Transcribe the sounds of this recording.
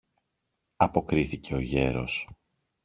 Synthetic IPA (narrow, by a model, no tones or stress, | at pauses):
ɐpo̞kɾiθice̞o̞ʝe̞ɾo̞̰s